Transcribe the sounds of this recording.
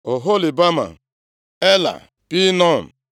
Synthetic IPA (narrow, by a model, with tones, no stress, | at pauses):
o˨ɦo˦li˨ba˦ma̰˨ | e˦la̰˨ | pi˦nɔ˦˨n̩˨